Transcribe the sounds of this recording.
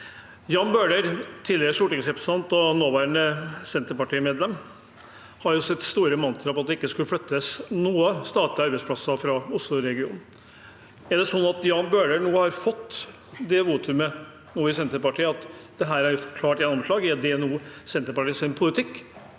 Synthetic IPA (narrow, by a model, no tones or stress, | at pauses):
jɑːnbøːɖəɾt̪ʰiːləɾəʂuːʈɪŋsɾɛpɾə̥sɑnt̪ɔnoːʋæːɾəɳəsɛnt̪əɾpɑʈiːmeːd̪lɛm | hɑɾjʊsɛt̪ːst̪uːɾəmɑnt̪ʰɾɑpɑt̪̚d̪ɛɪkːəskʉlːəflœt̪ːəsnuːəst̪ɑːʈ̪lɪɑɾbɛɪspʰlɑsɑfɾɑʊslʊɾɛɡɪuːnn̩ | æɖɛsɔnːɑt̪jɑːnbøːɖənuːəhɑɾfɔt̪ː | d̪ɛʋuːt̪ʰʉmə | nuːɪsɛnt̪əɾpɑʈiːəɑt̪d̪̥ɛɦæːɾæɾjʊfɔkʰlɑːʈjɛnːɔmʂlɑːɡɛd̪ɛɛnuːsɛnt̪əɾpɑʈiːəsɪnpʰʊlɪt̪ʰɪkː